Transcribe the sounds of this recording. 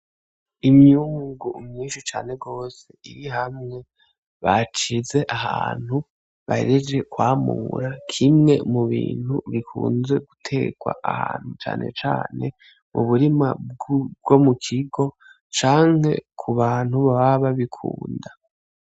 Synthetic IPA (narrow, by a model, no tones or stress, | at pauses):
imjuːŋɡumŋiːnʃit͡ʃa̰ːne̞ɡo̞ːse̞iɾiɦamŋe̞ | βat͡ʃize̞ʔahaːn̥hu | βaḛɾed͡ʒe̞kwaːmṵɾakʰimŋe̞muβḭːn̥huβikʰuːnze̞ɡutʰe̞ɡ̥wa̰ʔahaːn̥hut͡ʃa̰ːnʔe̞̰t͡ʃaːne̞ | muβuɾima̰b̚ɡo̞mukʰiɡo̞ | t͡ʃaːŋ̥he̞̰kʰuβaːn̥huβaβaβaβikʰṵːnda